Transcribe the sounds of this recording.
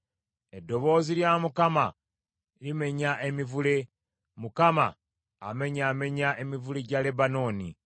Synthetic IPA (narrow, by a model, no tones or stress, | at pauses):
e̞dːo̞βo̞ːziljamukama | lime̞ɲaʔemivule̞ | mukama̰ː | me̞ɲaːme̞ɲaʔe̞mivuleɟale̞bano̞ːni